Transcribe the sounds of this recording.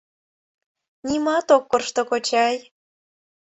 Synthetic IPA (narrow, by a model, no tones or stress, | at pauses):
nʲimɑt̪okːorʃt̪okot͡ɕɑj